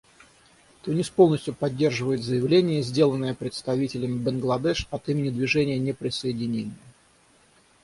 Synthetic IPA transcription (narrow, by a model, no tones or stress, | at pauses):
t̪onʲispolˠnəsʲtʲjʊpɐdʲːe̞rʐɨvəjɪt̪zəjɪvlʲenʲɪjəzʲdʲe̞lˠənːəjəpɾʲɪt̪st̪ɐvʲitʲɪlʲɪmʲɪbənɡlˠɐd̪ɛʂɐt̪imʲɪnʲɪd̪vʲɪʐɛnʲɪjənʲepɾʲɪsəɪdʲɪnʲenʲɪjə